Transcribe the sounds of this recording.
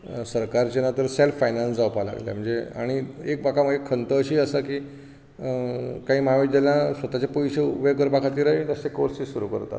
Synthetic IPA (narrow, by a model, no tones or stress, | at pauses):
səɾkaɾt͡ɕenat̪əɾselfajnansd͡zawpala̰ɡlja̰m̤əɳd͡zea̰ɽ̃iek̚bakʰaməekʰːənt̪əːɕiːəsaki | kaɦiːmaʋid͡ʑ̪alasʋət̪at͡ɕepɔjɕeubəjk̬əɾbakʰat̪iːɾəɦit̪əsekoɾsisuɾukə̰ɾt̪a̰t̪